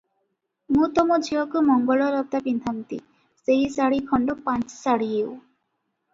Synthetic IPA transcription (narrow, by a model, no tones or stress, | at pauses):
mũt̪ɔmɔd͡ʒʱiɔkumɔŋɡɔlɔɾɔt̪apind̪ʱamt̪ḭ | seɦisaɽikʰɔɳɖɔpãnt͡ʃsaɽiɦew